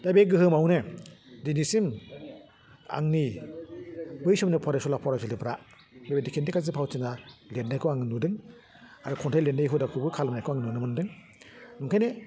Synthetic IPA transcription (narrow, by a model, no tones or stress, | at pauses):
d̥abeɡɯɦɯmawnɯdinisim | a̰ŋni | bɯjsumnɯpʰɔɾesɔlapʰɔɾasʰɯlipʰɾa | bebedikʰendikʰazipʰawtɯŋalendajkʰɯaŋɯnudɯŋ | aɾɯkʰɔntʰajlendajɦudakʰɯbɯkʰalmnajkʰɯaŋnunɯmɯndɯŋ | nuŋkʰajne